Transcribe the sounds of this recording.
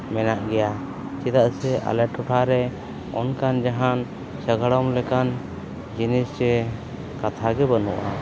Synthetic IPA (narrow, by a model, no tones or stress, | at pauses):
mɛnaʔɡɛja | t͡ʃid̪aʔsɛʔa̰lɛʈʰuʈʰaɾɛ | ɔ̰nkand͡ʒaɦan | səɡaɽɔmlɛkan | d͡ʒinisɾɛ | kat̪ʰaɡɛbənuʔa